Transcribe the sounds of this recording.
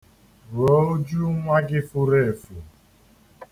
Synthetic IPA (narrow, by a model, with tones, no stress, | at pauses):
ɾɔ˨˦o˦d͡ʒu˦ŋʷa˦ɡɪ˦fu˦ɾe˦˨fu˨